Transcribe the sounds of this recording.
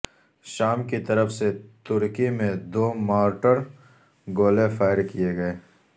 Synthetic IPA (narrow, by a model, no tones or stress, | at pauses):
ʃaːmkit̪ɐɾəfset̪ʊɾkimẽd̪oːmaːɾʈəɾ | ɡoːlefaːɪɾkijeɡɐeː